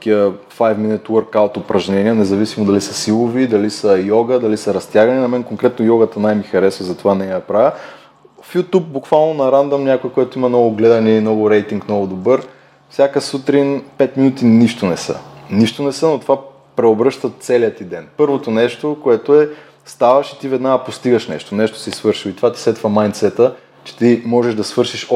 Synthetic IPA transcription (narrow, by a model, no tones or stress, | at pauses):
kiəfajvminɛt̪uəɾkaot̪opɾɐʒnɛniənɛzɐvisimod̪ɐlisəsilˠovid̪ɐlisəjɔɡəd̪ɐlisɐɾɐst̪ʲjaɡɐninɐmɛnkoŋkɾɛt̪nojɔɡət̪ənajmixɐɾɛsvɐzɐt̪ovanɛjaɐpɾavʲə | fjut̪up̚bukvalˠnonɐɾand̪ɐmnʲakoikoɛt̪oimɐnɔɡʊɡlɛd̪ɐninɔɡʊɾɛjt̪iŋknɔɡʊd̪obɤɾ | fsʲjakəsut̪ɾinpɛt̪minut̪iniʃt̪onɛsə̰niʃt̪onɛsənot̪ova | pɾɛobɾɤʃt̪ət̪sɛlijət̪id̪ɛnpɤɾvot̪onɛʃt̪okoɛt̪oɛ | st̪avɐʃi̥t̪ivɛd̪naɐpost̪iɡəʃnɛ̰ʃt̪onɛʃt̪o̥sisvɤɾʃiloit̪ovat̪i̥sɛt̪vəmajnt̪sɛt̪ə | t͡ʃɛ̥t̪imɔʒɛʒd̪ɐsvɤɾʃiʃ